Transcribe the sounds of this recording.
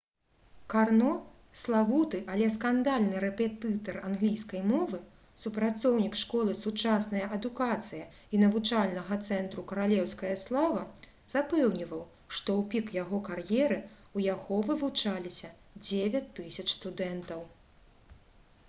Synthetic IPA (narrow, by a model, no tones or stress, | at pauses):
karnɔ | slˠavut̪ɨʔalʲɛskand̪alʲnɨɾɛpʲɛt̪ɨt̪ɐranɣlʲijskɐjmɔvɨ | supɾat̪sɔwnʲikʂkɔlˠɨsut͡ʂasnɐjɐʔɐd̪ukat̪sɨjɐ | inɐvut͡ʂalʲnɐɣɐt̪sɛnt̪ɾukɐɾalʲɛwskɐjɐslˠavɐ | z̥apɛwnʲivɐw | ʂt̪ɔwpʲikjaɣɔkarjɛɾɨ | ujaɣɔvɨvut͡ʂalʲisʲɐ | d͡zʲevʲɐt͡sʲt̪ːɨsʲɐt͡ʂst̪ud̪ɛnt̪ɐw